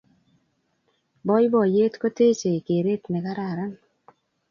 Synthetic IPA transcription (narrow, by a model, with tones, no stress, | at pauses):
bɔ˦jbɔ˨je˦t̪ko˦t̪e˦t͡ʃe˨ke˨ɾe˦t̪nɛ˨ka˦ɾa˨ɾa˦n